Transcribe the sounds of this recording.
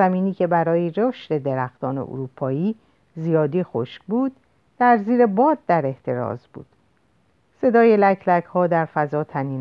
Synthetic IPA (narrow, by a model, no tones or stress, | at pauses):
æmiːniːcʰe̞bæɾɒːjeɾoʃt̪e̞d̪e̞ɾæxt̪ɒːne̞̰ʔo̰ɾuːpʰɒːiː | zijɒːd̪iːxoʃkbuːd̪̥ː | æɾziːɾe̞bɒːd̪̚ːæɾe̞ht̪ʰe̞ɾɒ̰ːzbṵːd̪̥ | se̞d̪ɒːje̞lækʰlækhɒːd̪æɾfæzɒːt̪ʰæniːn